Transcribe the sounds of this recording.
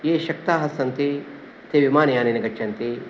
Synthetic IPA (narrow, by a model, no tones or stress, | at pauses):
jeːʃɐk̚t̪aːɦɐsɐnt̪i | t̪eːʋimaːnɐjaːniːnɐɡɐt͡ʃʃʰɐnt̪i